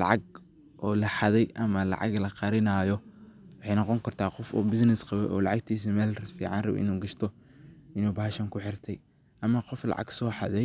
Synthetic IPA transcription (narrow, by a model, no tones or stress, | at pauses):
lɑ̰ʕɑɡ | ʔɔːlɐħɑðɛjʔɐmɐlɑ̰ʕɑ̰ɡlɐqɑɾɪnɐːjɔwɑħɑjnɑqɔŋkʰɐrt̪ʰaːqɔfɔ̰ːbɪsnɪsqɑβɛ̰jʔɔːlɑʕɑɡt̪ʰiːs̬imɛːlfiːʕɑnrɑβ̰ʔɪ̰nuːɡɐʃt̪ʰɔ | ɪnuːbɐɦɐʃɐŋkʰʊħɪrt̪ʰɛj | ʔɐmɐqɔflɑ̰ʕɑ̰ɡsɔːħɑðɛj